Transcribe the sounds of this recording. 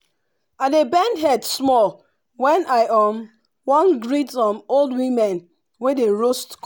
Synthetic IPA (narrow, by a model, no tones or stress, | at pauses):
adebɛ̃ndɦɛdsmɔl | wɛ̃naɪʔɔm | wɔ̃nɡɹitɔ̃molˠdwĩmɛ̃n | wedeɹostk